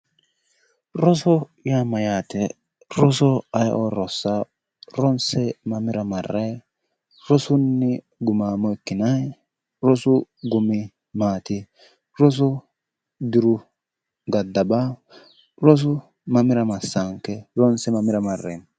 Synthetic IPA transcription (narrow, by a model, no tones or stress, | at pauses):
ɾɔsɔjamɐjaːt̪ɛ | ɾɔsɔɐjʔɔɾɔsːa | ɾɔnsɛmɐmɪɾɐmɐrːɐj | ɾɔsʊnːɪ | ɡʊmaːmɔɪkːɪnɐj | ɾɔsʊɡʊmɪ | maːt̪ɪ | ɾɔs̬ɔ | d̪ɪɾʊ | ɡɐd̪ːɐba | ɾɔs̬ʊ | mɐmɪɾɐmɐsːaŋkːɛɾɔnsɛmɐmɪɾɐmɐrːḛn